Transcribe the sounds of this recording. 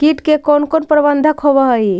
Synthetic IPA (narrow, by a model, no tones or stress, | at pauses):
kiʈkekonkonpɾəbənd̪ʱəkɦobəɦəj